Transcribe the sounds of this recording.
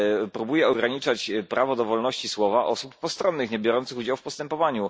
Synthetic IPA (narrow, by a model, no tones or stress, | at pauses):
pɾubujɛɔɡɾaɲit͡ʂat͡ɕpɾʔavɔd̪ɔvɔlnɔɕt͡ɕiswɔvaʔɔsuppɔst̪ɾɔnːɘxɲɛbʲjɔɾɔnt̪sɘxud͡ʑawfpɔst̪ɛmpɔvaɲu